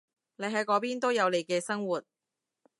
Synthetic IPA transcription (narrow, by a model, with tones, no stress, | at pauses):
ne˨˥jɦɐ˨˥jkɔː˨˥p̬iː˥nt̪o˥wjɐ˨˧wle˨˧jkɛː˧sɐ˥ŋwuː˨˩t̚